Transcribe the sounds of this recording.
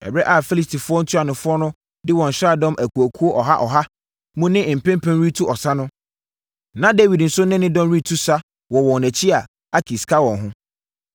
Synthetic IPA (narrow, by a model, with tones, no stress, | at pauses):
ɛ̰˨bɾɛ˦ʔa˦˨fi˦li˨stʰi˨fʊ˦ɔ˦n̩˦tʰu˦a˨nʊ̃˨fʊ˦ɔ˦nʊ̃˦ | dɪ˦wɔ̃˨n̩˨ɕɾa˦˨dɔ̃˦mʔæ˨kʰu˨æ˨kʰu˦o˦ʔɔ˨ɦa˦ʔɔ˨ɦa˦ | mũ˦nɪ̃˦˨m̩˨pʰɛ̃˦mpʰɛ̃˦nɾi˦tʰu˦ʔɔ˨sa˦nʊ̃˦ | nã˦de˦wi˨dn̩˨sʊ˦nɪ̃˦nɪ̃˦dɔ̃˦mɾi˦tʰu˦sa˦ | wɔ˨wɔ̃˨nnæ˨t͡ɕʰi˦a˨ | a˦kʰi˨skʰa˦wɔ̃˨ɦʊ̃˦